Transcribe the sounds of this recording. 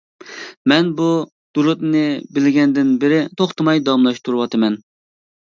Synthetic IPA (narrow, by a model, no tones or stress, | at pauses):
mɛnbu | d̪̥ulˠut̪nɨbɪlɪɡʲɛnd̪ɪnbɪɾɪt̪ʰoχt̪ɨmɑjd̪ɑmlˠɑʃt̪ʰuɾɨwɑt̪ʰɨmɛn